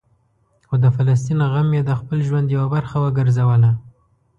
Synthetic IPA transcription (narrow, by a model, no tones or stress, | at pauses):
xod̪əfalas̬t̪inaɣamjed̪əxpəlʒwand̪jawabaɾxawəɡəɾzawəla